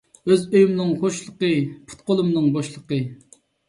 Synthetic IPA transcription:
øzøjymnɨŋχoʃlˠəqəpʰu̥t̪̚qolˠumnɨŋbɑʃlˠəqə

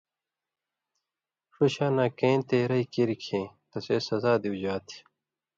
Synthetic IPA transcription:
ʂuɕaːnãːkẽːnt̪eːɾɐikiɾikʰẽːt̪ɐseːsɐzaːd̪iwd͡ʑaːt̪ʰi̥

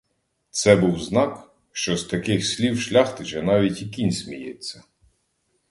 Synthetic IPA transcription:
t̪sɛbuwznɑk | ʃt͡ʃɔst̪ɐkɪxsʲlʲiwʃlʲɑxt̪ɪʒɛnɑʋʲitʲikʲinʲsʲmʲijet͡sʲːɐ

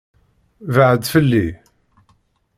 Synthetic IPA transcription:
vəʕəd̪fəlːi

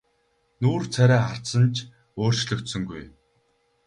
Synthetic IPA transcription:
nuːrt͡sʰæɾʲæːχar̥t̪sə̆nt͡ɕʰ | oːr̥t͡ɕɮɵ̆kt̪sɵ̆ŋɡuj

